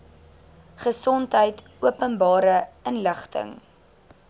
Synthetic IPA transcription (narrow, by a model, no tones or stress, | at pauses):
χəsɔntɦəjt | uəpənbɑːɾəənləχtʰə̰ŋ